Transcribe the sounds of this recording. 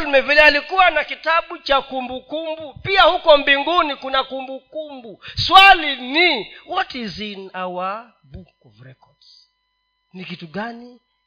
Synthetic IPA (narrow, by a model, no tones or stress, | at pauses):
lmɛvilɛalikuwanakitaɓut͡ʃakumbukumbupiahukɔmbiŋɡunikunakumbukumbuswaliniwɔtizinawa | bukɔvɾɛkɔds | nikituɠani